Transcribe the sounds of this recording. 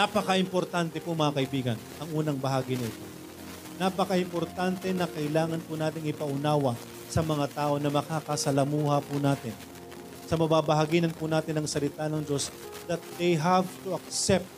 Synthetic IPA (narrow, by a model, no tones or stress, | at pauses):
napɐkaʔɪmpo̞ɾt̪ant̪ɛpʊmɐŋakɐʔɪbiːɡɐnʔɐŋʔuːnɐŋbɐɦaːɡɪnɐɪt̪o̞ | napɐkaʔɪmpo̞ɾt̪ant̪ɛnɐkɐɪlaːŋɐnpʊnaːt̪ɪŋɪpɐʔʊnaːwɐ | sɐmɐŋat̪aːʔo̞nɐmɐkakɐsɐlɐmuːhɐpunaːt̪ɪn | sɐmɐbabɐɦaɡiːnɐnpʊnaːt̪ɪnɐŋsɐlɪt̪anɐŋd͡ʒo̞s | d̪ɐt̪̚d̪ejɦavt̪uɐk̚sɛp̚t̪̚